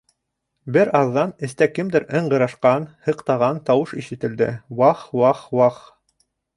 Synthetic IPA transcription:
bɘɾɑðːɑnɘ̆st̪ækɘmd̪ɘɾɤɴɢɤ̆ɾɑʃqɑnhɤ̆qt̪ɑʁɑnt̪ɑwɤʃiʃɘ̆t̪ɘ̆ld̪ɘ̰wɑχwɑχwɑq

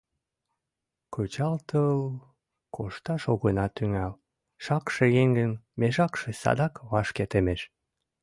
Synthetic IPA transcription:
kʰot͡ɕɑlt̪əl | kʰoʃt̪ɑʃoɣənɑt̪ːyŋæl | ʃɑkʃejeŋɡənmeʒɑkʃesɑ̰d̪ɑkβɑʃket̪emeʃ

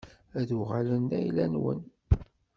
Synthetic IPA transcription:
æðuʁaləndæjlænwə̰n

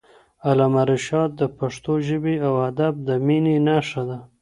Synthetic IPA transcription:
alamaɾɪʃɑd̪̚d̪əpaʂt̪oʒəbeawad̪ab̚d̪əminenaʂad̪a

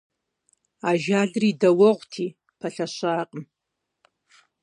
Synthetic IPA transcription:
aʒaɮridawəʁʷtʰi | pʰaɬaʃʷaːqʼəm

